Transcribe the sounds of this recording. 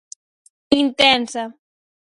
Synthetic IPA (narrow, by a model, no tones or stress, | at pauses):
intɛːnsa